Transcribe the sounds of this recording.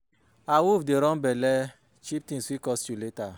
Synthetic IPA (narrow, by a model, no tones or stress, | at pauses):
awufdeɾɔ̃bɛlɛ | t͡ʃip̚tĩnswikɔstuleta